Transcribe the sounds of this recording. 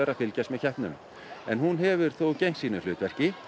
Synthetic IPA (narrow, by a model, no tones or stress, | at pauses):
ɛːɾaðfɪlcast̪mɛðçɛht̪nʏnʏ̰m | ɛnɦunɦɛvʏɾ̥θowcejŋ̥siːnʏlʏːt̪vɛr̥cɪ